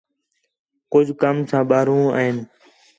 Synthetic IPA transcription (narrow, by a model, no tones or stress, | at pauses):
kʊd͡ʒʱkəmsãːɓaːɾũːa̰ːɦɪːn